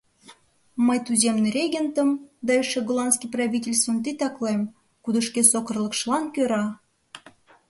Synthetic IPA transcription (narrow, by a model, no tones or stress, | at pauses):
məjt̪uzʲemneɾʲeɣʲent̪əmd̪ɑeʃeɡolˠɑnskijprɑβʲitʲelʲst̪vənt̪̬it̪ɑklem | kud̪əʃkesokə̆rlə̆kʃlɑnkøɾɑ